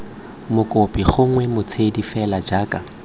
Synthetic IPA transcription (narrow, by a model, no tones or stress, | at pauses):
mʊkʼopʼiχʊŋ̩wɛmʊt͡sʰedifɛlad͡ʒaːkʼa